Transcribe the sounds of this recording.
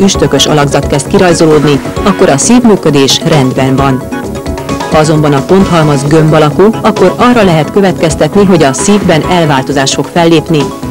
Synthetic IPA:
yʃt̪økø̞ʃɒ̰lɒɡzɒt̪kɛst̪kiɾɒjzo̞loːd̪niɒkːo̞ɾɒsiːvmyːkø̞d̪eːʃrɛnd̪bɛnvɒn | hɒɒzo̞mbɒnɒpo̞nt̪ɦɒlmɒzɡø̞mbɒlɒkuɒkːo̞ɾɒrːɒlɛɦɛt̪kø̞vɛt̪kɛst̪ɛt̪niɦo̞ɟɒsiːvbɛnɛlvaːlt̪o̞zaːʃt̪fo̞kfɛlːeːpni

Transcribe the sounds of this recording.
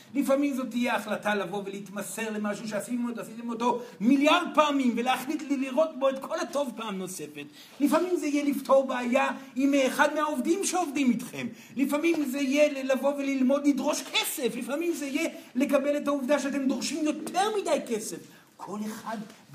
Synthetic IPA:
lifamimzo̞t̪ːijeaχlatalavo̞veleit̪mase̞ʁle̞maʃuʃeasitmotasitemoto̞miljaʁd̪̚paːmimveleaχlitlliʁo̞t̚bo̞etkʰo̞lato̞vpaaːmno̞se̞fe̞t | lifamimzeijelivtʰo̞ʁbeajaimeχad̪meaovdimʃeo̞vdimitχe̞̰m | lifamimzeijelavo̞velilmo̞d̪lidʁo̞ʃkʰese̞flifamimzeijele̞kabe̞le̞tauvdaʃeat̬e̞md̪oʁʃimjo̞tʰe̞ʁmidajke̞se̞f | kʰo̞leχad

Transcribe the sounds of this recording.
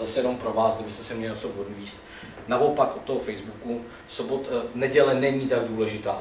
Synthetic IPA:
zasɛjɛno̞mpɾo̞vaːsɡdɪbɪst̪ɛsɪmɲɛlɪsoboduiːst̪ | naʔo̞pakʔot̪ːoɦofɛjzbuku | sobot̪nɛɟɛlɛnɛɲiːt̪aɡ̚duːlɛʒɪt̪aː

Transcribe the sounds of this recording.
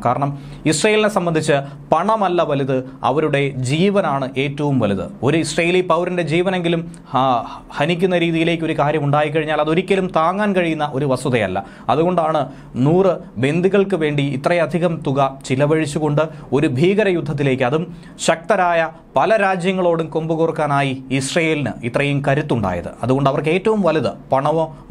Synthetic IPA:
kaːɾɐɳɐm | isrɐjiline̞sɐmbɐnd̪ʱit͡ɕːɨ | pɐɳɐmɐlːɐʋɐluðɨɐ̰ʋɐɾuɽe̞d͡ʑiːʋɐnaːɳɨʔe̞ːtːɐʋumʋɐluðɨ̰o̞ɾuisrɐːjilipɐwɾɐnde̞d͡ʑiːʋɐne̞ŋɡilum | hɐnikʲːunːɐɾiːðijile̞ːkːo̞ɾukaːɾjɐmuɳɖaːjik̬ːɐɻiɲːaːlɐðo̞ɾikʲːɐlumt̪aːŋːaːnkɐɻijunːɐʔo̞ɾuʋɐsɐðɐjɐ̰lːɐ̰ | ɐðuɣo̞ɳɖaːɳɨ | nuːrɨbe̞nd̪iɣɐɭkɨʋe̞ːɳɖiːt̪rɐjɐd̪ʱiɣɐmt̪uɣɐt͡ɕilɐʋɐɻit͡ɕːuɣo̞ɳɖɨo̞ɾubʱiːɣɐɾɐjud̪ʱːɐt̪̬ːile̞ːk̬ʲːɨɐðum | ɕɐk̚t̪ɐɾaːjɐ | pɐlɐɾaːd͡ʑjɐŋːɐɭo̞ːɽumko̞mbɨkurkːaːnaːjiːsrɐjeːlinɨ̰it̪ːrɐjumkɐɾut̪ːuɳɖa̰ːjɐ̰ðɨ̰ɐðuɣo̞ɳɖɐʋɐrke̞ːtːɐʋumʋɐliðɨpɐɳɐʋoː

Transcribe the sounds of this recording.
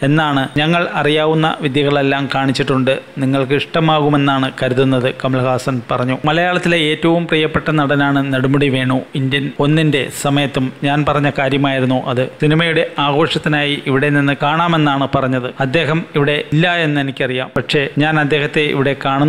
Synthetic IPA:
e̞nːaːɳɨɲɐŋːɐɭɐrijaːʋunːɐ̰ʋid̪jɐɣɐɭe̞lːaːmkaːɳit͡ɕːiʈːuɳɖɨniŋːɐɭkɨiʂʈɐmaːɣume̞nːaːɳɨkɐɾuðunːɐðɨkɐmɐlɐɣaːsɐnpɐrɐɲːumɐlɐjaːɭɐt̪ːileeːtːɐʋumpriːjɐpːe̞ʈːɐnɐɽɐnaːɳɨnɐɽumɐɽiʋe̞ːɳuindjɐno̞nːinde̞sɐmɐjɐt̪ːumɲaːnpɐrɐɲːɐkaːɾjɐmaːjiɾunːuʔɐðɨsinimɐjuɽe̞aːɣo̞ːʂɐt̪ːinaːjiiʋiɽe̞ninːɨkaːɳaːmenːaːɳɨpɐrɐɲːɐðɨɐd̪ːe̞ːɦɐmiʋiɽe̞ilːɐe̞nːe̞nikʲːɐrijaːmpɐʈʂe̞ɲaːnɐd̪ːe̞ːɦɐt̪ːe̞ḭʋiɽe̞kaːɳunː

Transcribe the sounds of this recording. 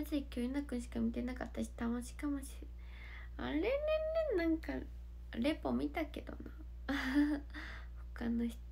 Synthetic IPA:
at͡ɕikʲɯnakɯ̟̃ɕi̥kamʲit̪e̞nakat̪ːaɕi̥t̪amoɕi̥kamoɕi̥ | a̰ɾenẽnːẽnnãŋka | ɾe̞po̞mʲit̪ake̞d̪o̞̰na | ho̥kano̞çi̥t̪

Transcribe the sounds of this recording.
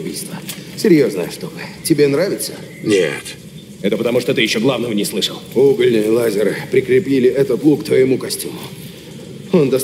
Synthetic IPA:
bʲijst̪vəsʲɪɾʲjoznəjəʂt̪obɨtʲɪbʲe̞nɾavʲɪt̪sə | nʲḛt̪ | ɛt̪əpət̪ɐmuʂt̪ot̪ɨjɪɕːoɡlˠavnəvənʲɪslˠɨʂəlˠuɡəlʲnɨjəlˠazʲɪɾɨpɾʲɪkɾʲɪpʲilʲɪʔɛt̪ət̪lˠukt̪vəjɪmukɐsʲtʲumʊ | o̞nd̪ɐs

